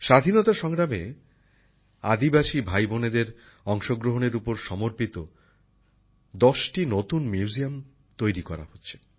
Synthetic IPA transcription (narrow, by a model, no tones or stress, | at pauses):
ʃad̪ʱinɔt̪aʃɔŋɾame | a̰d̪ibaʃibʱajboned̪eɾ | ɔŋʃoɡɾoɦoneɾupoɾʃɔmoɾpit̪o | d̪ɔʃʈinot̪unmjiuziam | t̪ojɾikɔɾa̰hotːɕʰe̥